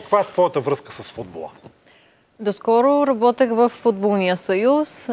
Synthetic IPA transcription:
kvaɛt̪vɔjət̪əvɾɤskəsɐsfud̪̚bolˠə̰ | d̪oskɔɾoɾɐbɔt̪əxvəfːud̪bolˠnijəsɐjus

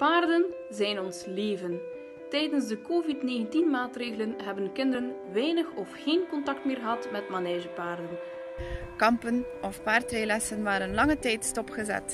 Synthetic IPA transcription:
paːrdən | zɛjnɔnsleːvən | tɛjdənzdəkoːvitneːɣəntinmaːtreːɣələnɦɛbənkɪndəɾənʋɛjnəxɔfxeːnkɔntɑk̚tmɪːrɣəɦɑtmɛtmaneːʒəpaːrdən | kɑmpən | ɔfpaːrtreːlɛsənʋaːɾənlɑŋətɛjtstɔpχəzɛ̰t

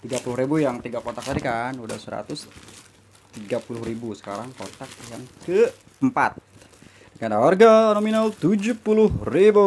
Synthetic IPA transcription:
t̪iɡapulʊhɾibujaŋt̪iɡakot̪ak̚t̪adikanuda̰hsəɾa̰t̪ʊs | t̪iɡapulʊhɾibusə̥kaɾaŋkont̪ak̚jaŋkə | əmpa̰t̪̚ | kandawarɡanominalt̪ud͡ʒupulʊhribu

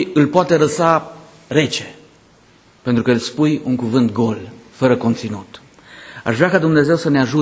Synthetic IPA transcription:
ɨlpoat̪e̞ɾəsa | ɾe̞t͡ʃe̞̥ | pe̞nt̪ɾukəilspujuŋkuvɨnt̪̚ɡo̞lfəɾəkont̪sinut̪ | a̰ʒvɾeakad̪umne̞ze̞wsəneaʒu

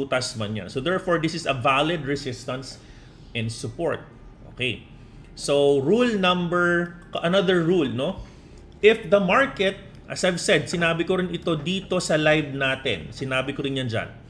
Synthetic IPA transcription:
uːt̪ɐsmɐnja̰nsod̪ɛɹfoɹd̪ɪsɪsɐvalɪd̪ɹɪsɪst̪ɐns | ʔɛ̃nd̪sʊpoɹt̪̚ | ʔoːkej | soɹulnɐ̃mbɛɹʔɐnɐðəɹɹulno | ʔɪfd̪ɐmaɹkɛt̪̚ | ʔɐsɐjvsɛd̪̚sɪnaːbɪkoɾɪnʔɪt̪o̞d̪iːt̪o̞sɐlajb̚naːt̪ɛ̰nsɪnaːbɪkoɾɪnjɐnd͡ʒa̰n

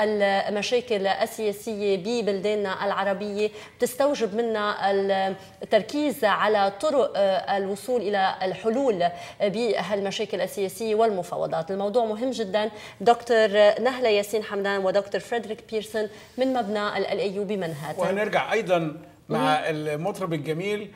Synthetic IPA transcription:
ʔalmaʃeːkɪlʔasːɪjeːsɪjːebibɪld̪eːnːaʔalʕɑɾˤɑbɪjːeb̥̚t̪ɪst̪awʒɪbmɪnːa | t̪ːɑɾˤkiːzʕalat̪ˤʊɾʊʔalwʊsˤuːlʔɪlalħʊluːlbiɦalmaʃeːkɪlʔasːɪjeːsɪjːewɪlmʊfɑ̰ːwɑ̰d̪ˤɑːt̪ɪlmɑwd̪ˤuːʕmʊɦɪmːʒɪd̪ːan | d̪okt̪oɾnaɦlajaːsiːnħamd̪aːnwɪd̪okt̪ʊɾfɾeːd̪ɾiːk̚piːɾsʊn | mɪnmabnaʔalʔalʔɪjːuːbimanɦad̪wnɪɾɡaʕʔɑjd̪ˤɑn | maʕɪlmɑt̪ˤɾɑbɪlɡamiːl

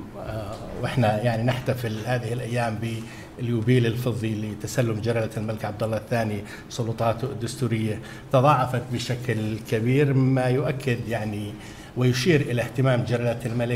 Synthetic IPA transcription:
wʔɪħnajaʕninɪħt̪afɪlhaːðɪhɪlʔajːaːmbɪ | ɪljubiːlɪlfɨðˤːilit̪asalːʊmd͡ʒaɾˤɑlalmalɪkʕab̚d̪alːɑθːaːni | sˤʊlʊt̪ˤɑːt̪d̪ːʊst̪uːɾɪjːa | t̪ɑðˤɑːʕɑfɑt̪̚bɪʃaklkabiːɾmmajʊʔakːɪd̪jaʕni | wɪjʊʃiːɾʔɪlaht̪ɪmaːmd͡ʒaɾˤɑlalmalɪk

